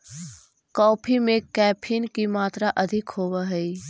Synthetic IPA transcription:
kɔ̃ːpʰimẽkɛːpʰɪnkimaːt̪ɾaʔɐd̪ʱɪkɦoːwaɦɛi

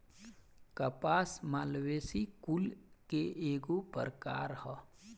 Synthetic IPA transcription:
kəpaːsmaːlʋeːsikulkeeːɡopə̰ɾka̰ːɾhɔ

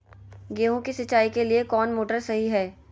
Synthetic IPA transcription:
ɡeːɦõkisɐt͡ʃaːikeliekɔːnmoːʈəɾsɐɦiɦɛː

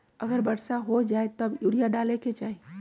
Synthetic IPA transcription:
əɡəɾbəɽsaɦod͡ʒaet̪ɔbjuɽijaɖaleket͡ʃai

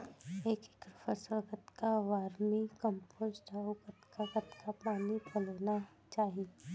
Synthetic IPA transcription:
eːkkɾʊfəsəɡət̪kaʋaːɾmikə̃mpoːd͡ʒʈaʊɡət̪kaɡət̪kapaːnipɐloːna | t͡ʃaːɦie

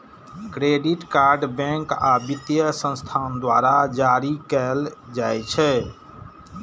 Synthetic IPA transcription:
kɾeɖiʈkaɾɖbɛ̃ŋkabit̪jəsə̃nst̪ʰand̪waɾad͡ʒaɾikɛld͡ʒajt͡ʃʰɛ

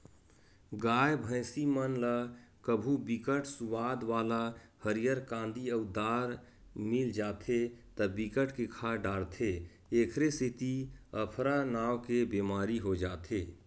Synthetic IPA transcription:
ɡaːjbʱə̃ɪsimənləkəbʱubikəʈsuʋaːd̪ʋaːlahəɾijəɾkãːnd̪iəud̪aːɾ | mild͡ʒaːt̪ʰet̪əbikəʈkekʰaɖaːɽt̪ʰe | ekʰɾesit̪iəpʰɾanaːwkebemaːɾiɦod͡ʒaːt̪ʰeː

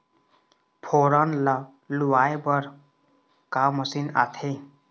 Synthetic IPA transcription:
pʰoɾʌnlʌ | luwajbʌɾ | kamʌsina̰t̪ʰe

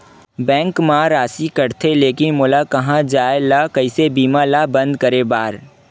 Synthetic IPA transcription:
bɛ̃ːŋkmaɾaːsikɐɾt̪ʰeleːkɪnmoːlakɐɦãd͡ʒaːelakɐisebiːmalabɐ̃nd̪̚kɐɾebaːɾ

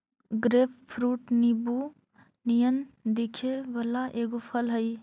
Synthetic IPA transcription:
ɡɾeppʰɾuʈnibu | nijənd̪ikʰebəlaʔeɡopʰəlɦəj

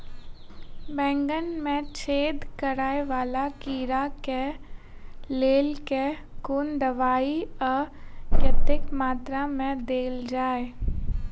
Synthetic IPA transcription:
bɛ̃ːŋɡənmẽt͡ʃʰeːd̪kəɾaːeʋaːlakiːɾake | leːlke | kuːnd̪əʋaːiɔːɾkjət̪ɪkmaːt̪ɾamẽd̪eːld͡ʒaːe

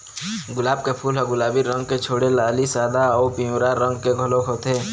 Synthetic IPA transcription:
ɡʊlaːb̚kepʰuːlɦɔɡʊlaːbiɾə̃ŋɡ̚ket͡ʃʰoːɽelaːlisaːd̪aɔːpiʊɾaɾə̃ŋɡkeɡʱəlokɦoːt̪eː

